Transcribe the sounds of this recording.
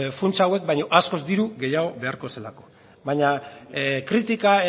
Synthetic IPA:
funt͡sawe̞k̚bajɲo̞ʔasko̞zd̪iɾuɣe̞jaɣo̞βe̞aɾko̞se̞lako̞̥ | bajɲa | kɾit̪ikae

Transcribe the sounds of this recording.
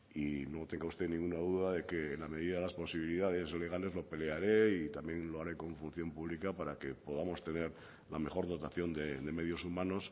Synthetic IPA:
ino̞t̪e̞ŋɡaust̪e̞nĩŋɡunaðuðaðe̞ke̞ːnlame̞ð̞iðaðelaspo̞siβiliðaðe̞sle̞ɣ̞ale̞zlo̞pe̞leaɾeit̪amje̞ŋlo̞aɾe̞kõ̞ɱfun̟θjo̞mpuβ̞likapaɾake̞po̞ðamo̞st̪e̞ne̞ɾ | lame̞χo̞ɾðo̞t̪aθjo̞nd̪ed̪e̞me̞ð̞jo̞sumãno̞s

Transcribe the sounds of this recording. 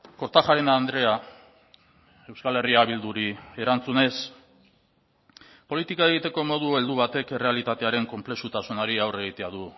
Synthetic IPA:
ko̞ɾt̪axaɾenaːnd̪ɾe̞a | e̞wskale̞riaβ̞ild̪uɾie̞ɾant͡sune̞s | po̞lit̪ikae̞ɣ̞it̪e̞ko̞mo̞ð̞ue̞ld̪uβ̞at̪e̞kere̞alit̪at̪eaɾe̞ŋko̞mple̞sut̪asunaɾiawre̞ɣ̞it̪eaðu

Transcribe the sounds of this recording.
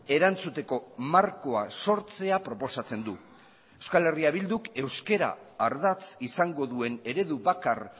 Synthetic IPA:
e̞ɾant͡sut̪e̞ko̞maɾko̞aso̞ɾt͡se̞apɾo̞po̞sat͡se̞nd̪u | ewskale̞riaβild̪uke̞wske̞ɾa̰ːɾðat͡sisaŋɡo̞ðue̞ne̞ɾe̞ðuβakar

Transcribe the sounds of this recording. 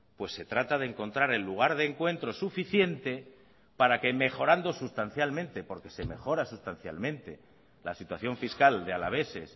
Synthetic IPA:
pwe̞sːe̞t̪ɾat̪aðeŋko̞nt̪ɾaɾe̞lːuɣ̞aɾð̞e̞ːŋkwe̞nt̪ɾo̞sufiθje̞nt̪e̞ | paɾake̞me̞xo̞ɾand̪o̞sust̪an̟θjalmẽ̞nt̪e̞po̞ɾke̞se̞me̞xo̞ɾasust̪an̟θja̰lmẽ̞nt̪e̞ | lasit̪waθjo̞ɱfiskald̪e̞alaβ̞e̞se̞s

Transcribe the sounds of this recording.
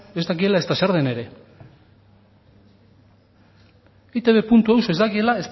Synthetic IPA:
e̞zd̪ak̬ie̞lae̞st̪aseɾðene̞ɾe̞ | it̪e̞βe̞punt̪ue̞wso̞e̞zd̪akie̞lae̞st̪

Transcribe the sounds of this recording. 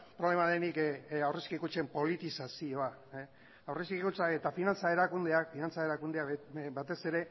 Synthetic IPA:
pɾole̞maðenikawreskikut͡ʃe̞mpo̞lit̪isasio̞a | awreskikut͡saet̪afinant͡sae̞ɾakund̪eakfinant͡sae̞ɾakund̪eabat̪e̞se̞ɾe̞

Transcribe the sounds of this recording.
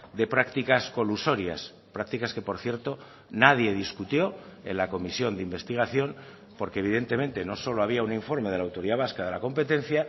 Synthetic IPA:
d̪e̞pɾakt̪ikasko̞luso̞ɾja̰s | pɾak̚t̪ikaske̞po̞ɾθje̞ɾt̪o̞ | naðje̞ð̞iskut̪jo̞e̞̰nlako̞misjo̞nd̪eimbe̞st̪iɣ̞aθjo̞n | po̞ɾkeβiðe̞nt̪e̞mẽ̞nt̪e̞no̞so̞lo̞aβ̞iauniɱfo̞ɾme̞ð̞e̞lawt̪o̞ɾiðaβ̞askaðe̞la̰ko̞mpe̞t̪e̞n̟θja

